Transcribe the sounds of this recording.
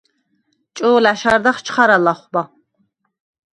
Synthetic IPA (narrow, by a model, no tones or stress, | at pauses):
t͡ʃʼoːlaʃaɾd̪aχt͡ʃʰχaɾalaχʷba